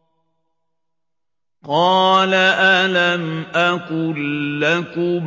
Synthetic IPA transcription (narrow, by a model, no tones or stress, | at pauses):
qɑːlaʔalamʔakʊlːakʊm